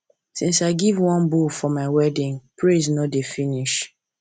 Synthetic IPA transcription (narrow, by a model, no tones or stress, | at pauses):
sĩnsaɪɡivwɔ̃nbufɔmaɪwɛdĩŋpʰɹeznɔdefiniʃ